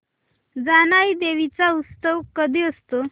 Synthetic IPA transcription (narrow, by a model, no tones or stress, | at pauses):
d͡zanaid̪eʋit͡saust̪əʋkəd̪ʱiːəst̪o